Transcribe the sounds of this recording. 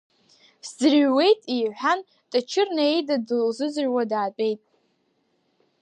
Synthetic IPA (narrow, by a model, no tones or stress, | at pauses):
sd͡zɨrɥwe̞jtʼiħʷᶣan | tʼat͡ʃʰɪrnaejdadlzɨzʕwadaːpʼe̞jtʼ